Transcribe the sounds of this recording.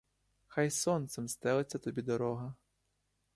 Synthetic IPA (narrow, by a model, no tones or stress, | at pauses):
xajsɔnt̪semst̪ɛlˠet͡sʲːɐt̪ɔbʲid̪ɔɾɔɦɐ